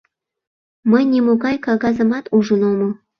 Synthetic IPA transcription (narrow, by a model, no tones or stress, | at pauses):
məjnʲemoɣɑjkɑɣɑzə̆mɑt̪uʒənomo